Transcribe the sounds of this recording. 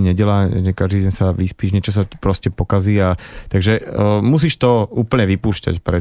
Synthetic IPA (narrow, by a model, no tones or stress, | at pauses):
ɲɛɟɛlaʒɛkaʒd̪iːɟɛɲsaʋispiːʒɲɛt͡ʃɔs̬ḁpɾɔscɛpɔkaziːat̪aɡʒɛmus̬iːʃt̪ɔuːpl̩ɲɛʋipuːʃca̰cpɾɛ